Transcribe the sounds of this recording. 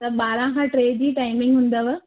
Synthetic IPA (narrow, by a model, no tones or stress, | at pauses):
t̪ɐɓaːɾãkʰãːʈɾeːd͡ʑiːʈaːɪmɪ̃ŋɡɦʊ̃nd̪ɐʋ